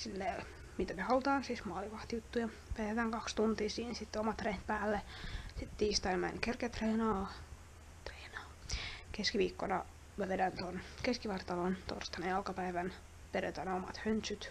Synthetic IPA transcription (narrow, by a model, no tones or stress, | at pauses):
silːeː | mit̪æmehɑlut̪ɑːnsiːsmɑːliʋɑht̪ijut̪ːujɑ | pæet̪æːŋkɑkst̪unt̪iːsiːnsit̪ːeomɑt̪reːt̪̚pæːlːesit̪t̪iːst̪ɑinmæ̰nkerket̪reːnɑː | t̪reːnɑːkeskiʋiːkːonɑ | mæʋedænt̪onkeskiʋɑrt̪ːɑlont̪o̰rst̪ɑnejɑlkɑpæiʋæn | perḛt̪ænæomɑ̰t̪hønt̪syt̪